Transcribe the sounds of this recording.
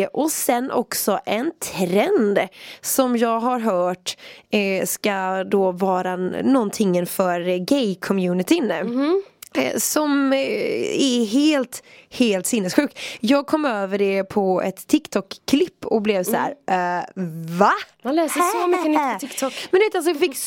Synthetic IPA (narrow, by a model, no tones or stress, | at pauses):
ʔɔsɛnːʔɔ̰ksɔʔɛnt̪ʰɾɛnd̪sɔmjɑːɡɦaɾɦœːʈ | skad̪oːvɑːɾanɔnt̪ʰɪŋːənfœɾɡɛjkʰɔmjʉːnɪt̪ʰɪn | sɔm | ɛɦeːlt̪heːlt̪sɪnːɛsɧʉ̟ːk̚t̪jɑːɡ̚kʰɔmːøːvəɖɛpʰɔɛ̰t̪ʰːɪkt̪ʰɔkʰːlɪpːɔblɛvsæ̰ːɾ | valɛːsæməɪkt̪ʰɔkmmɛnd̪ɵveːt̪als̬ɔjɑfɪkː